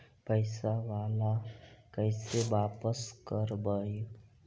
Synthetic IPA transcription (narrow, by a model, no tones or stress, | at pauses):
pəɪsaʋaːlakəɪseʋaːpəskəɾbəj